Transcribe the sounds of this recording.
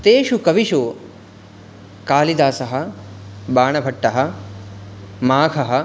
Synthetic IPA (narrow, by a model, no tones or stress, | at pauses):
t̪eːʃukɐʋiʃu | kaːlid̪aːsɐɦɐ | baːɳɐbʱɐʈːɐɦɐ̆ | maːkʰɐɦɐ̆